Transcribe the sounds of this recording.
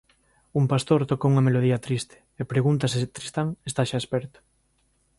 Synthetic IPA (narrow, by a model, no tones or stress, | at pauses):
umpast̪oɾt̪okouŋɐmeloð̞iɐt̪ɾist̪ɪ̥epɾeɣunt̪ɐsest̪ɾist̪aŋest̪aʃaespɛɾt̪ʊ̥